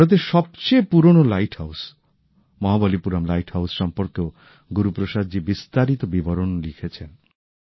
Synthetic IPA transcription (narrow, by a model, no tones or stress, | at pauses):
ɾot̪̬eʃɔb̚t͡ɕejpuɾonolajʈhaws | mɔɦabolipuɾamlajʈhawsʃɔmpɔɾke | ɡuɾupɾoʃad̪d͡ʑibist̪aɾit̪obibɔɾonlikʰet͡ɕʰen